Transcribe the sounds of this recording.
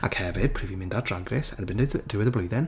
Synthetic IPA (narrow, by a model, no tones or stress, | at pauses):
a̰khɛvɪd̥̚pʰrɨːvimɪ̃ndadraɡrɪsənbɪndɨðdɪwɪðəblˠojðɪn